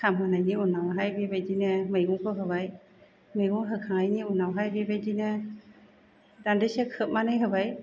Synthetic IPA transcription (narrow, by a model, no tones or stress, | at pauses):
kʰamanajniunawɦajbibajdinɛmɯjɡɔŋkʰɔɦɯbaj | mɯjɡɔŋɦɯkʰaŋajniunawɦajbebajdinɛ | dandesɛkʰɯp̚manɯjɦɯbaj